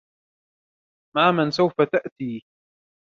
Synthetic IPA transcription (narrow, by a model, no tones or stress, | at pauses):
maːmansawfat̪aʔt̪iː